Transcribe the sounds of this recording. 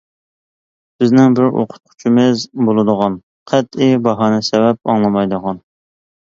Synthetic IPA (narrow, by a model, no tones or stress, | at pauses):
b̥ɪznɪŋbɪɾo̰qʰʊ̥t̪̚qʰʊ̥t͡ʃʰimɪzbolˠɨd̪əʁɑn | qʰɛt̪ibɑɦɑːnɛsɛvɛp̚ɑŋlˠɑmɑjd̪əʁɑn